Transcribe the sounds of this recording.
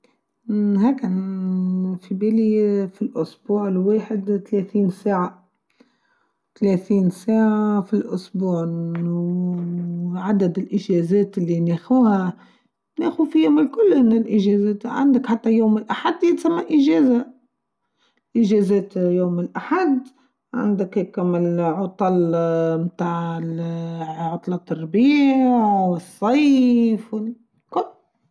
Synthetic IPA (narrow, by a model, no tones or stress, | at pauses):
heːk | fibelifilʔʊsbuːʕlweːħɪd̪t̪aleːθiːnsaːʕa | t̪leθiːnsaːʕafilʔʊsbuːʕ | ʕad̪ad̪ɪlʔɪʒeːzeːt̪ɪlːineːxuːha | neːxufijomɪlkʊlːʔɪnːɪlʔɪʒeːzeːt̪ʕa̰nd̪akħat̪ːajoːmɪlʔaħad̪ːjɪt̪samːaʔɪʒeːza | ʔɪʒeːzeːt̪joːmɪlʔaħad̪ | ʕa̰nd̪akhkamɪlʕʊt̪ˤɑlmt̪aːʕɪ | ʕʊt̪ˤlɑt̪ːɑrbiːʕwɪsˤːɑjfwɪ | kʊlː